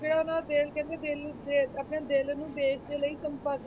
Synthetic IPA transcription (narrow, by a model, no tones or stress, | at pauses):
d͡ʒeːɽaːʊnãːd̪eːlkɛ̃nd̪eːd̪eːleəpneːd̪elnũːd̪eːʃd̪eːləiːsəmpəd̪